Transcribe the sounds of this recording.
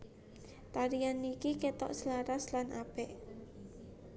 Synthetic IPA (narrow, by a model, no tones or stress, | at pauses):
t̪aɾianikiket̪ɔ̰ʔsəlaɾaslanʔab̥ɛʔ